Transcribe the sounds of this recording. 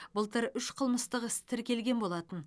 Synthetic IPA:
bəlˠt̪əɾʏʃqʰəlˠməst̪əqɪst̪ʰɪɾkʲe̞lɡʲe̞nbo̞lˠɑt̪ən

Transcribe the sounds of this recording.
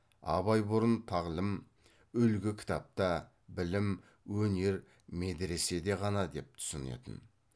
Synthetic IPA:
ɑ̰βɑjbʊɾənt̪ʰɑʁlˠəm | ʏlɡʲɪkʲʰɪ̥t̪ɑp̚t̪ɑ | bɪlɪm | wɵne̞ɾ | med̪ɾe̞se̞d̪e̞ʁɑnɑd̪e̞p̚t̪ʰʊ̥sənḛt̪ə̰n

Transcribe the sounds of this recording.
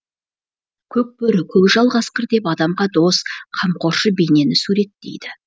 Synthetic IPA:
kʲʰɵp̚bʏɾɪkʲʰɵpʒɑlˠʁɑsqəɾd̪e̞pɑd̪ɑmʁɑd̪o̞sqʰɑmqʰo̞ɾʃəbene̞nɪsuɾe̞t̪ːḛjd̪ɪ

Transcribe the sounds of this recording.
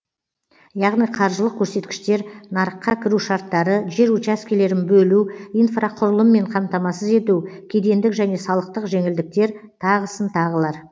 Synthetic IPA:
jɑʁnijqʰɑɾʒəlˠəq̚kʲʰːɵɾse̞t̪kʲɪ̥ʃt̪e̞ɾnɑɾəqːɑkʲʰɪɾuʃɑɾt̪ːɑɾəʒe̞ɾut͡ʃaskʲele̞ɾɪnbɵluijnfraqʰʊɾəlˠəmːe̞ɴqʰɑmt̪ɑmɑsəze̞t̪uwkʲʰe̞d̪e̞nd̪ɪkʒæne̞sɑlˠəq̚t̪əqʒe̞ŋɪld̪ɪk̚t̪e̞ɾt̪ʰɑʁəsənt̪ʰɑʁəlˠɑɾ

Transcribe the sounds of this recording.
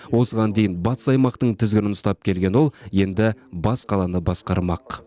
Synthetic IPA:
wo̞səʁɑnd̪ejɪnbɑt̪ə̥sɑjmɑqt̪əɴt̪ʰɪzɡʲɪnɪnʊst̪ɑp̚kʲʰe̞lɡʲe̞nwo̞lˠje̞nd̪ɪbɑsqʰɑlˠɑnəbɑsqɑɾmɑq

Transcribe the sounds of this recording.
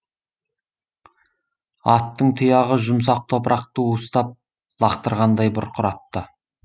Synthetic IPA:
ɑt̪ːəɴt̪ʰʊjɑʁəʒʊms̬ɑq̚t̪ʰo̞pɾʔɑqt̪əwust̪ɑp̚ | lˠɑqt̪əɾʁɑnd̪ɑjbʊɾqʰʊɾɑt̪ːə

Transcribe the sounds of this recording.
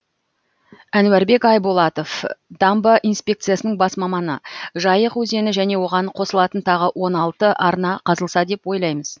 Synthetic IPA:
ænwæɾbe̞kɑjbolˠɑt̪o̞fd̪̥ɑmbəʔijnspʲe̞k̚t̪sɨjasənəɴbɑsmɑmɑnə̰ʒɑjəqwɵze̞nɪʒæne̞wo̞ʁɑɴqʰo̞səlˠɑt̪ənt̪ʰɑʁəwʔo̞nɑlˠt̪əʔɑɾnɑqʰɑzəlˠsɑd̪e̞pwo̞jlˠɑjməz̥

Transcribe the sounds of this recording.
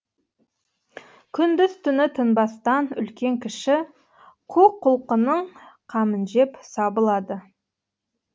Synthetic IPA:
kʲʰʏnd̪ɪzt̪ʰʏnɪt̪ʰʏnbɑst̪ɑnʏ̰lkʲe̞ŋkʲʰɪʃɪ | qʰuqʰːʊlˠqənəɴqʰɑmənʒe̞psɑbəlˠɑd̪ə

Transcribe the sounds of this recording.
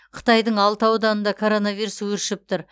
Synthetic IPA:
qʰə̥t̪ɑjd̪əɴɑlˠt̪ɑwd̪ɑnənd̪ɑkʰo̞ɾo̞navijɾuswɵɾʃɪp̚t̪ʊɾ

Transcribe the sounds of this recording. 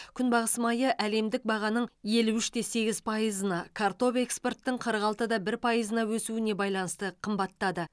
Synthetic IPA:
kʲʰʏnbɑʁəsəmɑjəʔæle̞md̪ɪk̚bɑʁɑnəɴje̞luʏʃt̪e̞se̞ɡʲɪzpʰɑjəzənɑkʰart̪o̞pe̞kspe̞rt̪ːəɴqʰəɾəqɑlˠt̪əd̪ɑbɪɾpʰɑjəzənɑwɵsuɪne̞bɑjlˠɑnəst̪əqʰəmbɑt̪ːɑd̪ə

